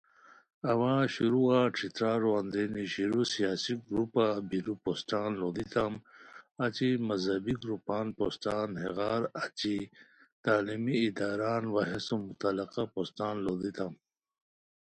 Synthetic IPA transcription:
ɐwãːɕuɾuaʈ͡ʂʰit̪ɾaːɾoand̪eniɕiɾusijaːsiɡɾupabiɾuposʈaːnlod̪it̪amɐt͡ɕimɐzɐbiɡɾupaːnpostaːnheɣaːɾat͡ɕit̪aːlimiːd̪aːɾaːnwaɦesumut̪alɐqapost̪aːnlod̪it̪am

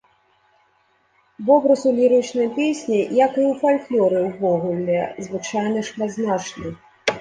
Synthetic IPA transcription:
vɔbɾɐsulʲiɾɨt͡ʂnɨjpʲesʲnʲijɐkɨwfalʲklʲɔɾɨwvɔɣulʲɛzvɨt͡ʂajnɐʂmad̪znat͡ʂnɨ

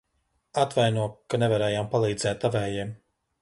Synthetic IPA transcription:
at̪vajnuɔkːanevaɾɛːjampalˠiːd̪zɛːt̪avɛːjɛːm

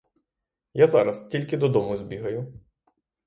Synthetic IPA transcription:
jazɑɾɐstʲilʲkɪd̪ɔd̪ɔmʊzʲbʲiɦɐjʊ

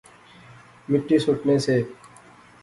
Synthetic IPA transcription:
mɪʈːiːsʊʈneːseː

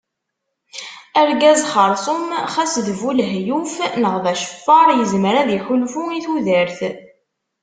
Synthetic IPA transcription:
æɾɡæzχəɾˤsˤʊmχæsðvulɦjufnəʁvæʃə̥fːɑɾˤjəzməɾæðiçulfuiθuðəɾθ

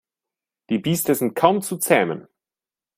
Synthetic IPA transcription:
d̥iːbiːstəzɪnt̚kʰaʊmt͡sut͡sɛːmə̰n

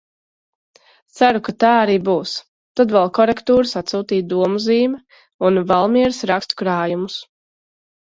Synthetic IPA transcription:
t̪saɾukat̪aːaɾiːbuːs | t̪ad̪vɛlˠkɔɾɛkt̪uːɾsat̪suːt̪iːd̪uɔmuziːmɛ | unvalˠmiɛɾsɾakst̪u̥kɾaːjumus

